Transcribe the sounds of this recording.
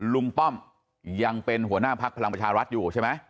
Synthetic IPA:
lu˧ŋt̪ɔ˥˩m | ja˧ŋpe˧nɦu˩˦ɐnaː˥˩pʰa˦˥k̚pʰa˧la˧pɾa˧t͡ɕʰaː˧ɾa˦˥t̪̚juː˨˩t͡ɕʰa˥˩jm˦˥j

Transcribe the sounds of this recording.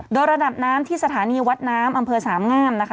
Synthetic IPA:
doː˧jɾa˧da˨˩p̚naː˦˥mt̪ʰiː˥˩sa˧t̪ʰaː˩˦niː˧wa˦˥t̪̚naː˦˥mʔa˧mpʰɤː˧saː˩˦mŋaː˥˩mna˦˥kʰ

